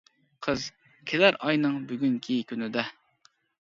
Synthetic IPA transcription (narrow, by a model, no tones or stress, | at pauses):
qʰəz | kʲʰelæɾʔɑjnɨŋbyɡʲyŋkʲʰikʲynɪd̪ɛ